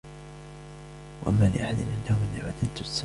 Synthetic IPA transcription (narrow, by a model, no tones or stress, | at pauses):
waʔamːaːlɪ̰ʔaħad̪ɪnʔanːaʊʔɪnːɪbad̪ant̪sː